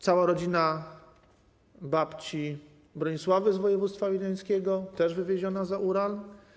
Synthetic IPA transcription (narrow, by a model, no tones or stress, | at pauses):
t̪sawaɾɔd͡ʑina | bapt͡ɕi | bɾɔɲiswavɘzvɔjɛvut̪st̪favʲilajskʲɛɡɔt̪ɛʐvɘvʲjeʑɔnazaʔuɾal